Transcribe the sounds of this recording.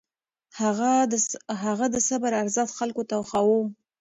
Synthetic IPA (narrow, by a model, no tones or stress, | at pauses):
haɣaɦaɣad̪əsabaɾaɾzat̪xalkot̪awxawum